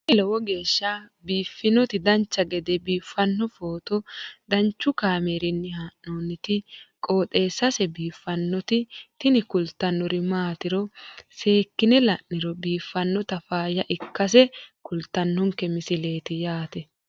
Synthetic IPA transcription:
ɪlɔwɔɡe̞ːʃːɐbiːfːɪnɔt̪ɪd̪ɐnt͡ʃːɐɡɛd̪ɛbiːfːɐnːɔfoːt̪ɔd̪ɐnt͡ʃːʊkaːmeːɾɪnːɪhaːʔnoːnːɪt̪ɪkʼo̞ːt̪ʼe̞ːsːɐsɛbiːfːɐnːɔt̪ɪt̪ɪnɪkʊlt̪ːɐnːɔɾɪmaːt̪ɪɾɔseːkːɪnɛlɐʔnɪɾɔbiːfːɐnːɔt̪ɐfaːjɐʔɪkːɐs̬ɛkʊlt̪ːɐnːɔŋkːɛmɪsɪle̞ːt̪ɪjaːt̪ɛ

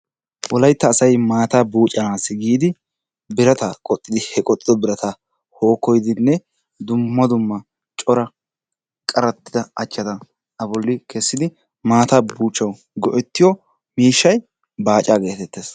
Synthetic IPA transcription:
wɔlɐjt̪ːɐːsɐjmaːt̪aːbuːt͡ʃʼɐnasɪɡiːd̪ɪ | bɪɾɐt̪ɐkʼɔt̪ʼːɪd̪ɪhɛkʼɔt̪ʼːɪd̪ɔbɪɾɐt̪ʰɐ | ho̞ːkːɔjd̪ɪnːɛ | d̪ʊmːɐd̪ʊmːɐ | t͡ʃʼɔɾɐ | kʼɐɾɐt̪ːɪ̥d̪ɐɐt͡ʃːɐd̪ɐ | ʔɐbɔlːɪkʰɛsːɪd̪ɪ | maːt̪abuːt͡ʃʼːɐw | ɡɔʔɛt̪ːɪjɔ | miːʃːɐj | baːt͡ʃʼaːɡe̞ːt̪ɛt̪ːeːs

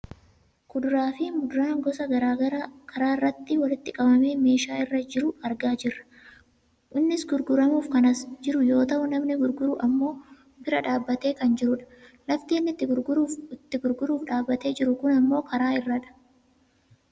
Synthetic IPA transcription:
kʊd̪ɾaːfɪmʊd̪ɾaːŋɡɔsɐɡɐɾaːɡɐɾkʰɐɾaːɪrːɐt̪ːɪwɐlɪt̪ːɪkʼɐbɐme̞ːme̞ːʃaːɪrːɐd͡ʒɪɾʊɐɾɡaːd͡ʒɪrːɐ̥ | ʔɪnːɪsɡʊɾɡʊɾɐmuːfkɐnɐsd͡ʒɪɾʊjo̞ːt̪ɐʔʊnɐmnɪɡʊɾɡʊɾʊʔɐmːo̞ː | bɪɾɐᶑaːbːɐt̪e̞ːkɐnd͡ʒɪɾʊᶑɐ̥lɐft̪eːnːɪt̪ːɪɪt̪ːɪɡʊɾɡʊɾuːfᶑaːbːɐt̪e̞ːd͡ʒɪɾʊkʊnɐmːo̞ːkɐɾaːɪrːɐᶑɐ̥

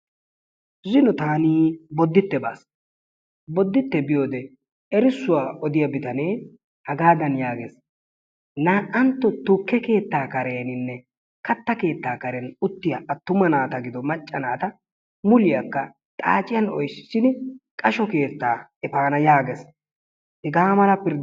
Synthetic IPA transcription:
zɪnɔt̪aːniːbɔd̪ːɪt̪ːɛba̰ːs | bɔd̪ːɪt̪ːɛbɪjo̞ːd̪ɛ | ɛɾɪsːʊwaːʔɔd̪ɪjɐbɪt̪ɐne̞ː | hɐɡaːd̪ɐnjaːɡes | naːʔɐnt̪ːɔt̪ʊkːɛke̞ːt̪ːaːkɐɾe̞ːnɪnːɛ | kɐt̪ːɐke̞ːt̪ːaːkɐɾɛnʊt̪ːɪjɐʔɐt̪ːʊmɐnaːt̪ɐɡɪd̪ɔmɐt͡ʃʼːɐnaːt̪ɐ | mʊlɪjɐkːɐ | t̪ʼa̰ːt͡ʃʼɪjɐnɔjsɪ̥ʃɪnkʼɐʃɔke̞ːt̪ːaːɛpaːnɐjaːɡɛs | ɪɡaːmɐlɐpɪɾd̪

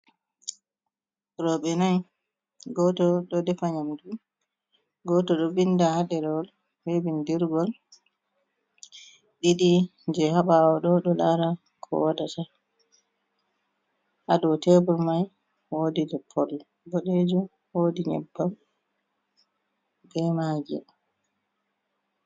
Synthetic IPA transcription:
ɾɔɓɛnaj | ɡɔtɔɗɔdɛfaɲamdu | ɡɔtɔɗɔbindahaɗɛɾɔl | hebindiɾɡɔl | ɗiɗid͡ʒɛhaɓawɔɗɔɗɔlaɾa | kʰɔ̰wadata | ʔadɔtɛbuɾmaj | woːdidɛpʰːɔl | bɔɗed͡ʒu | woːdiɲɛ̰bːam | bɛmaːd͡ʒɛ̰

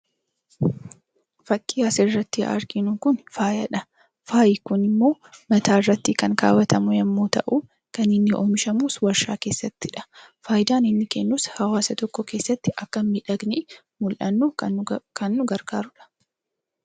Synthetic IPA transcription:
fɐkʼːɪasɛrːɐt̪ːɪɐ̰ɾɡɪnʊkʊnfaːjɐᶑɐ | faːjɪkʊnɪmːo̞ː | mɐt̪ʰaːɪrːɐt̪ːikɐŋka̰ːwɐt̪ʰɐmʊjɛmːoːt̪ɐʔu | kɐnɪnːɪʔoːmɪʃɐmuːswɐɾʃaːke̞ːsːɐt̪ːɪᶑɐ̥faːjd̪aːnɪnːɪkenːuːshɐwaːsɐt̪ɔkːɔke̞ːsːɐt̪ːɪʔɐkːɐmmɪᶑɐɡni | mʊlʔɐnːuːkʰɐnːʊɡɐɾɡaːɾʊᶑɐ̥

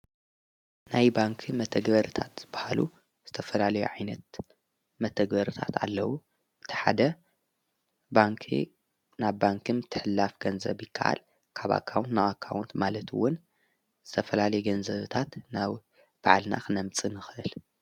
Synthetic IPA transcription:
najbaŋkʰimɐt̪ʰɐɡbɐɾɨt̪ʰat̪z̥ɨb̥ːahalṵ | z̥ɨt̪ʰɐfɐlalɐjṵʕajnɐt̪̚ | mɐt̪ʰɐɡbɐɾɨt̪ʰa̰t̪ʰa̰lːɐwu | ʔɨt̪ʰi̥ħa̰d̪ɐ | baŋkʰḭ | naβːaŋkʰɨmt̪ʰɨħɨlːafɡɐnzɐ̰βjɪkʰːaʔa̰l | kʰaβa̰kʰːawnt̪nawakʰːa̰wnt̪malɐt̪ʰwʊn | z̥ɨt̪ʰɐfɐlalɐjɛɡɐnzɐβt̪ʰat̪naβ | b̥aʕlna̰xɨnɐmt͡sʼɨnɨxɨʔɨl

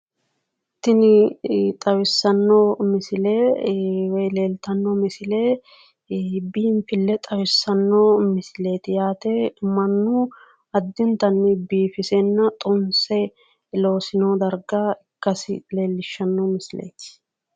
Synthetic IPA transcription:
t̪ɪnɪt̪ʼɐwɪsːɐnːoːmɪsɪleːwɛjle̞ːlt̪ɐnːomɪsɪleː | biːmpɪlːɛt̪ʼɐwɪsːɐnːoːmɪsɪle̞ːt̪ɪjaːt̪ɛmɐnːʊ | ɐd̪ːɪnt̪ɐnːɪbiːfɪsɛnːɐt̪ʼʊnsɛ | lo̞ːsɪnoːd̪ɐɾɡaɪkːɐsɪle̞ːlːɪʃːɐnːomɪsɪlḛːt̪ɪ̥

